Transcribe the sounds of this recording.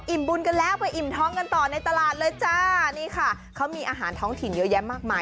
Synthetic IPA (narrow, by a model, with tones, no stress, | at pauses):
ʔi˨˩mbu˧nka˧nlɛː˦˥wpa˧jʔi˨˩mt̪ʰɔː˦˥ŋka˧nt̪ɔː˨˩na˧jt̪a˧laː˨˩t̪̚lɤː˧jt͡ɕa˧˩niː˥˩kʰa˥˩ | kʰa˦˥wmiː˧ʔaː˧ɦaː˩˦nt̪ʰɔː˦˥ŋt̪ʰi˨˩njɤ˦˥jɛ˦˥maː˥˩k̚maː˧